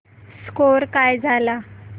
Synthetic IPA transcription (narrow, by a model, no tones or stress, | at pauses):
skoɾkajd͡zʱala